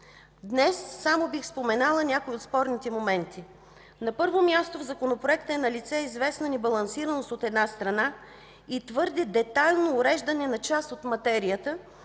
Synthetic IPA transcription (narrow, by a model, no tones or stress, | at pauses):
d̪nɛsːamobixspomɛnalˠənʲakoiot̪spɔɾnit̪ɛmomɛnt̪i | nɐpɤɾvomʲjast̪ovzɐkonopɾoɛkt̪əɛnɐlit̪sɛizvɛsnənɛbɐlˠɐnsiɾənost̪ot̪ɛd̪nast̪ɾɐna | it̪vɤɾd̪ɛd̪ɛt̪ajlˠnoːɾɛʒd̪ənɛnɐt͡ʃast̪ot̪mɐt̪ɛɾiət̪ə